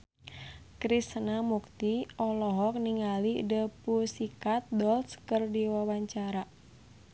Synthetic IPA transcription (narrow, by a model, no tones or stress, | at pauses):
kɾist̪ənamukt̪iɔlɔɦɔk̚niŋalidəpusikat̪̚dɔlskərdiwawaɲt͡ʃaɾa